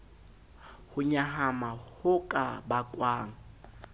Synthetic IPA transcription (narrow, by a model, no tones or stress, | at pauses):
hʊɲaɦamahʊkʼabakʼwaːŋ̩